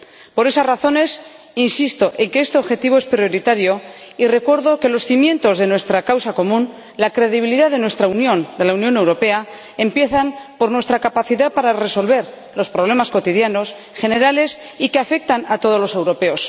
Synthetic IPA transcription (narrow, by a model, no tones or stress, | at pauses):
po̞ɾe̞sazraθo̞ne̞s | insist̪o̞ʔe̞ŋkeest̪e̞o̞βxe̞t̪iβ̞o̞espɾjo̞ɾit̪aɾjo̞ | ire̞kwe̞ɾðo̞ke̞lo̞sθimjẽ̞nt̪o̞zðenwe̞st̪ɾakawsako̞mũn | lakɾe̞ðiβ̞iliðaðe̞nwe̞st̪ɾaunjõ̞nd̪e̞launjo̞ne̞wɾo̞pe̞a | e̞mpje̞θampo̞ɾnwe̞st̪ɾakapaθiðapaɾare̞so̞lβe̞ɾ | lo̞spɾoβle̞masko̞t̪iðjano̞s | xe̞ne̞ɾale̞s | ikeafe̞k̚t̪anat̪o̞ð̞o̞zlo̞se̞wɾo̞pe̞o̞s